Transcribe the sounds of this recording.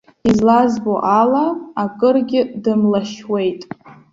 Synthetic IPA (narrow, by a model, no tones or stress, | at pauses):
izlazboʔalaakʼɨrɡʲɪdɨmlaʃwe̞jtʼ